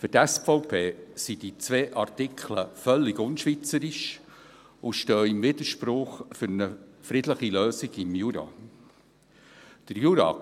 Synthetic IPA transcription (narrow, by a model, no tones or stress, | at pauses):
fʏtɛsfɔʊpʰeːsid̥it͡sʋeːʔɑrtɪkʰləfœlːɪɡʊnʃʋit͡səɾiʃ | ʊʃtøːɪmvɪd̪əɾʃpɾʊχfʏɾnəfɾɪdləχiløːsɪɡɪmjuɾɑ̰ | d̥əɾjuɾɑ̰